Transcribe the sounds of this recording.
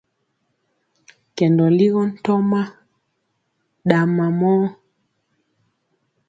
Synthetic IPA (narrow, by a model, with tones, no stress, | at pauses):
kɛ˨ndɔ˨li˦ɣɔ˦n̩˦tɔ˦ma˦ | ɗa˨ma˨mɔ˦